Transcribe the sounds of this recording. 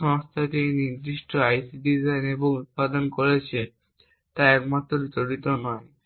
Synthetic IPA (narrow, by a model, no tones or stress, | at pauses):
ɔŋst̪ʰaʈiniɾd̪iʃʈʰoajsiɖizajneboŋut̪̚pad̪onkoɾet͡ɕʰe | t̪aɛkmat̪ːɾoɾit̪oɾit̪onɔe